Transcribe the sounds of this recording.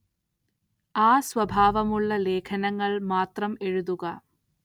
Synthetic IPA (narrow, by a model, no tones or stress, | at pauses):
aːsʋɐbʱaːʋɐmuɭːɐleːkʰɐnɐŋːɐɭmaːt̪rɐmeɻuðuɣɐ